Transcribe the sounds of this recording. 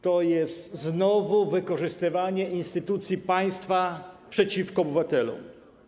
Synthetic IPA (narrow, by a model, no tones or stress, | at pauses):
t̪ɔjɛst̪znɔvuvɘkɔʐɘst̪ɘvaɲɛʔinst̪ɘt̪ut̪sʲjipaj̃st̪fapʂɛt͡ɕifkɔːbɘvat̪ɛlɔ̰m